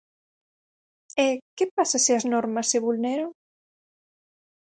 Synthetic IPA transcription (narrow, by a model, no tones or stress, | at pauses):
ekepasasiɐznɔɾmɐsːeβulneɾo